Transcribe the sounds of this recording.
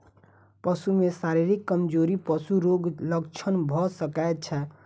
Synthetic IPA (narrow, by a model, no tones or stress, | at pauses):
pəsumesaɾiɾikːəmd͡ʒoɾipəsuɾoɡləɡt͡ʃʰənbʱɔsəkaet̪̚t͡ʃʰɛ